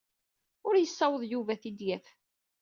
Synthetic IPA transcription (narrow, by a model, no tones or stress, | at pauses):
ʊɾjəsːɑwəðˤjuvæθid̪jæf